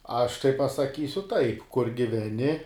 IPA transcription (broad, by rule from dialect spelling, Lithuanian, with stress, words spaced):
ˈɐʃ tɐɪ pɐsɐˈkʲiːsʲʊ ˈtɐɪp kʊr ɡʲɪʋʲɛˈnʲɪ